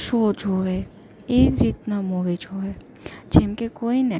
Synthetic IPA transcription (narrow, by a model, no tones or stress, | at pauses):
ʃoːd͡ʒʱoʋe | eːɾiːt̪namoʋed͡ʒʱoe | d͡ʒemkekoːinɛ